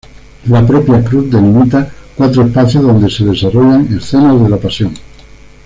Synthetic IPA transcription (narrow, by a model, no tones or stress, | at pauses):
lapɾopjakɾuθd̪enimit̪akwat̪ɾoespaθjoðo̞nd̪eseð̞esaroʎaŋesθenaðelapasjõŋ